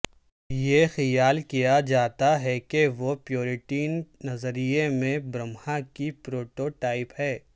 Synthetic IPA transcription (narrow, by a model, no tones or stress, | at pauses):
jexijaːlkijad͡ʒaːt̪aɦɛkeʋopjoːɾɪʈiːnːɐzəɾijemẽbɾɐmhãkipɾoːʈoːʈaːɪphɛː